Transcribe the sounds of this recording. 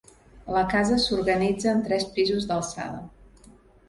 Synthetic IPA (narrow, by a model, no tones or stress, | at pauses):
ləkazəsurɣənid͡zəːnt̪ɾɛspizuzðəlˠsa̰ðə̰